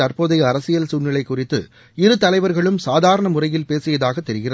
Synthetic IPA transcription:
ɐɾpoːðɐɪɐɾɐsɪjɐlsuːnːɪlɐɪkːʊrɪt̪ːɯ̰ | ɪɾɯt̪ɐlɐɪʋɐɾɣɐɭɯmsaːðaːɾɐɳɐmʊrɐjɪlpeːsɪjɐðaːɣɐt̪ːɛɾɪɣɪrɐ

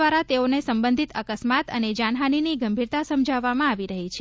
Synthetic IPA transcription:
ʋaɾat̪eonesəmbə̃nd̪ʱit̪əkəsmat̪əned͡ʒaɳɦaniniɡəmbʱiɾt̪asəmd͡ʒʱaʋːamãaʋiɾəɦit͡ʃʰe

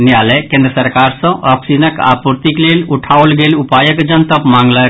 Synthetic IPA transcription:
njalɛkẽːnd̪ɾəsəɾkaɾsə̃ʔəpsinəka̰puɾt̪ikleluʈʰaolɡelupajəkd͡ʒənt̪əpmaŋɡlək

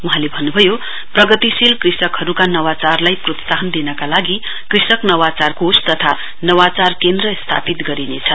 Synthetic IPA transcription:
uɦãlebʱʌnːubʱʌjo | prʌɡʌt̪isilkrisʌkhʌɾukanʌwat͡sarlajprot̪saɦʌnd̪inʌkalaɡi | krisʌknʌwat͡sarkost̪ʌt̪ʰa | nʌwat͡sarkend̪rʌst̪ʰa̰pit̪ɡʌɾinet͡sʰʌ

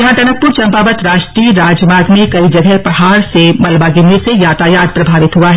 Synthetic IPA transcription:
jɐɦãt̪ɐnək̚pːʊɾt͡ʃɐ̃mpaːbət̪ɾaːʃʈɾiːɾaːd͡ʒjəmaːɡmẽkɐid͡ʒɐɡʱɛpɐɦaːɾsemɐlbaɡɪmesejaːt̪aːjaːd̪̚pɾɐbʱaːʋɪt̪ɦʊaɦɛ

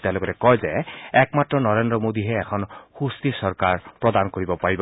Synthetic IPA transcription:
tɛ̃loɡɔtɛkɔjzɛɛkmatːɹɔnɔɹendɹɔmod̪iɦɛːkʰɔnxust̪isɔɹkaɹpɹɔd̪ankoɹibɔpaɹibɔ

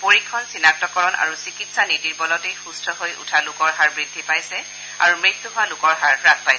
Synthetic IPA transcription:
poɹikʰːɔnsinak̚tɔkɔɹɔna̰ɹusikitsanidiɹbɔlɔtejxustʰɔhojṵtʰalʊkɔɹɦaɹbɹidʱːipajsɛ | a̰ɹumɹit̪ːuɦʊwalʊkɔɹɦaɹpɹakpajsɛ

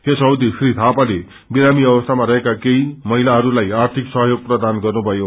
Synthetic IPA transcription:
ɦesʌwd̪isrit̪ʰapale | biɾamiʌbʌst̪ʰamaɾʌɦekakejmʌɦilaɦʌɾulajart̪ʰiksʌɦʌjoɡ̚prʌd̪anɡʌrnubʱʌjo

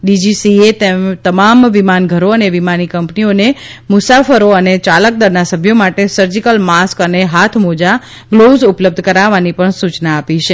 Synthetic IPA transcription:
ɖid͡ʒisiet̪et̪əmamʋimanɡʱəɾoəneʋimanikəmpnionemʊsafəɾoənet͡ʃalək̚d̪əɾnasəbʱjomaʈesəɾd͡ʒikəlmaskəneɦat̪ʰmod͡ʒa | ɡlozupləb̚d̪ʱkəɾaʋanipəɳsut͡ʃnaːpit͡ʃʰe

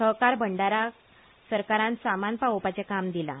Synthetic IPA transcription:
əɦkaɾbʱəɳɖaɾa | səɾkaɾãnsamanpaopat͡sekamd̪ila̰

